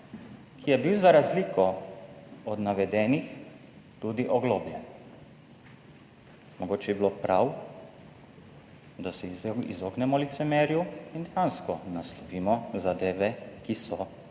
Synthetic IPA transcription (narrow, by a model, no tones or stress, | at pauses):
kʰijɛbiwzaɾazliːkɔ | ɔd̪naʋɛd̪ɛːnix | t̪ud̪iʔɔɡloːblʲjɛn | mɔɡoːt͡ʃɛibiloːpɾʔaw | d̪asɛḭzoːɡnɛmɔlit̪sɛmɛːɾjuind̪ɛjanskɔnaslɔʋiːmɔzad̪eːʋɛkisɔ